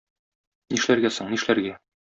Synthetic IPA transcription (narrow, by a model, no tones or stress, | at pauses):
niʃlæɾɡæsoɴniʃlæɾɡæ